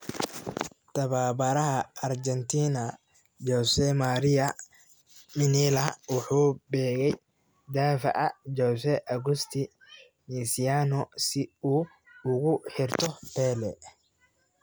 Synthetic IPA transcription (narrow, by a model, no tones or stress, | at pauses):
t̪ʰɐβaːbɐɾɐɦɐɐrd͡ʒɛnt̪ʰiːnɐ | d͡ʒɔsɛmaɾɪɐ | mɪniːlɐwʊħuːbɛːɣɛj | d̪aːfɐ̰ʔɐd͡ʒɔsɛʔɐɣʊst̪ʰɪ | nisɪjaːnɔsɪuː | ʊɣʊħɪrt̪ʰɔpɛːlɛ